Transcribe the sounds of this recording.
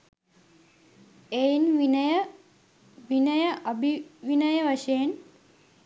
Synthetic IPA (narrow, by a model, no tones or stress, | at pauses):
ejnʋinjə | ʋinɐjəʔɐbʱiʋinɐjəʋaʂɐjen